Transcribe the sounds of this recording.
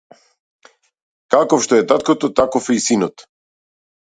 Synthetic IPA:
kakɔfʃt̪ɔɛt̪at̪̚kɔt̪ɔt̪akɔfɛisinɔt̪

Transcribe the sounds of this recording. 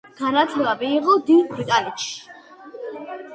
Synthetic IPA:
ɡ̥anat̪ʰlɛbamiːʁɔd̪id̪bɾit̪ʼanɛt̪ʃi̥

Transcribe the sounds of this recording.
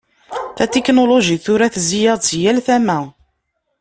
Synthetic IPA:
θæt̪iknoloʒiθʊɾæθzijɑt͡sjælθæmæ

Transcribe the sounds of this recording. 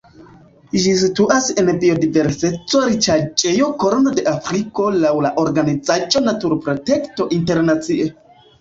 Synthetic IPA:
ʒis̬ituʔase̞nbio̞dive̞ɾse̞t͡soɾit͡ʃat͡ʃʼejo̞koɾonode̞ʔafɾiko̞lawlaʔo̞ɾɡanid͡zad͡ʒo̞natuɾpɾo̞te̞kto̞ʔinte̞ɾnat͡siʔe

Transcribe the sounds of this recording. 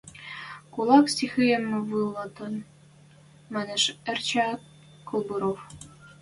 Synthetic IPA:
kulˠɑksixɘjɘ̆mːɘ̆vɯlˠːɑt̪ɤ̆n | mɘ̆nɘ̆ʃɘ̆rt͡ɕæ | kʰŭlˠbuɾof

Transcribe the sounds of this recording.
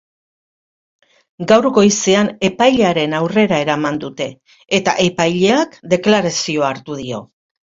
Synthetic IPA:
ɡawrɡo̞iseane̞pajʎeaɾe̞nawre̞ɾae̞ɾamand̪ut̪e̞ː | t̪a̰ʔe̞pajʎe̞akd̪e̞klaɾasio̞aɾt̪uðio̞̰

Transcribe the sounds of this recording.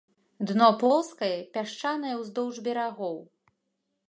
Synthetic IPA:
d̪nɔp̪ˠɔwskɐjɛpʲaʂt͡ʂanɐjɛwzd̪ɔwʐbʲɛɾaɣɔw

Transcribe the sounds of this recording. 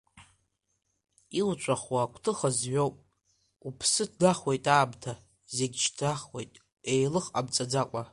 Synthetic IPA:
iwt͡ʃʷʼaχwaːkʷʰtʰɨχazɥo̞wpʼ | upʰsɨdʰdaχwejtʼaːbtʰa | zeɡʲt͡ʃʰtʰaχwejtʼ | e̞jlɨχa̰bt͡sʼad͡zakʷʼa

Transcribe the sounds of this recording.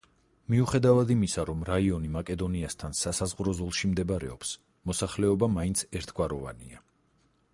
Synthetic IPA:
miuχɛd̪avad̪imisaɾɔmɾaiɔnimakʼɛd̪ɔniast̪ʰansasazʁɾɔzɔlˠʃimd̪ɛbaɾɛ̰ɔps | mɔsaχlɛɔbamaint̪sʰɛɾt̪ʰɡ̥waɾɔva̰nia

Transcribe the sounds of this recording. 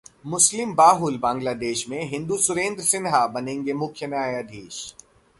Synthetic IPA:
mʊslɪmbaːɦʊlbãːŋɡlaːd̪eːʃmẽɦɪ̃nd̪usʊɾẽːnd̪ɾsɪnɦabɐnẽːŋɡemʊkʰjənaːjad̪ʱeːʃ

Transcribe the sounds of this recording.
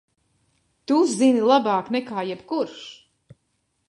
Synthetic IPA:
t̪uzzinilˠabaːknɛkaːjɛbkuɾʃ

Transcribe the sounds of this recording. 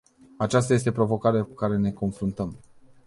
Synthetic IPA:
at͡ʃast̪aje̞s̬t̪e̞pɾo̞vo̞kaɾeakukaɾe̞ne̞ko̞nfɾunt̪əm

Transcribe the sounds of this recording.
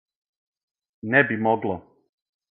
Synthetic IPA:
nɛbimoɡlo

